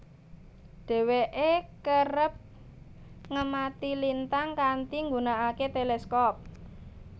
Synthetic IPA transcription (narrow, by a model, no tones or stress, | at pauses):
ɖ̥e̤weʔekərəp̚ | ŋəmat̪ilint̪aŋkant̪iŋɡunaaket̪eleskɔp̚